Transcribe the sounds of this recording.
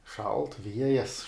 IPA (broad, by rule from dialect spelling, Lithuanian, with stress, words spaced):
ʃɐlˠt ˈʋʲiɛjɛs